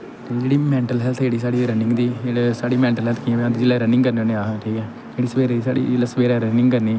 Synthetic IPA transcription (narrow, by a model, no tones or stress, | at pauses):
t̪ed͡ʒeːɽiːmɛ̃ːɳʈəlɦɛːlt̪ʰd͡ʒeːɽiːs̬aːɽiːɾənɪ̃ŋɡd̪iːeːɽesaːɽiːmɛ̃ːɳʈəlɦɛːlt̪ʰkiɛ̃ːʋãːd̪iːd͡ʒeːlɛːɾənɪ̃ŋɡkəɾneoːnẽːaːɦãːʈʰiːkɛː | eːɽiːsəʋeːɾeːd̪iːsa̰ːɽḭːlasəʋeːɾɛːɾənɪ̃ŋɡkəɾniː